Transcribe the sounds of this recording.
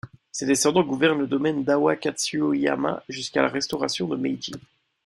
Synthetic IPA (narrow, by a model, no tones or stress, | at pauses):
sed̪esɑ̃d̪ɑ̃ɡuvɛʁnləd̪ɔmɛnd̪awakat̪syoia̰mã̰ʒyskala̰ʁɛst̪ɔʁasjɔ̃d̪əmɛjd͡ʒḭ